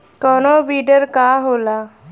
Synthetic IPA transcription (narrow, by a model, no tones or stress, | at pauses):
kɔːnoːʋiːɖəɾkaːɦoːlaː